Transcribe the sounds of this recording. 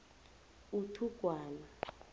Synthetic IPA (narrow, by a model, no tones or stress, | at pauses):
utʰuɡ̥ʱwaːla